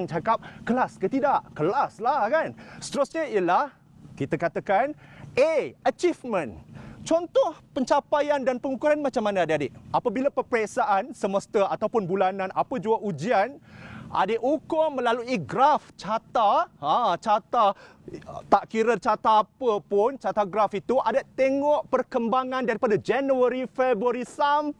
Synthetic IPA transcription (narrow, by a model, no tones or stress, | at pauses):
ŋt͡ʃakap̚kəlaskət̪idaʔkəlaslahkansə̥t̪əɾʊsɲəiəlah | kit̪akat̪akaneət͡ʃifmə̃nt͡ʃɔnt̪ɔhpəɲt͡ʃapajandanpəŋukuɾanmãt͡ʃamːanãadeadeʔʔapabilapəpɾeksaʔansəməst̪əat̪awpʊnbulanãnapəd͡ʒuaʔud͡ʒianʔa̰deʔukʊmə̃laluʔiɡɾaft͡ʃat̪aat͡ʃat̪a | t̪aʔkiɾət͡ʃat̪aːpəpʊnt͡ʃat̪aɡɾafit̪uʔadaʔt̪eŋɔʔpərkəmbaŋãndaɾipadad͡ʒɛnuəɾifɛbaɾisam